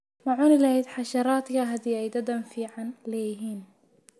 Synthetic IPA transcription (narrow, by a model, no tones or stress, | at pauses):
mɐʕʊnɪlɐhɛjd̪ħɑʃɑɾaːd̪kʰɐɦɐd̪iːɛjd̪ɐd̪ɐmfiːʕɑnlɛːjɪɦiːn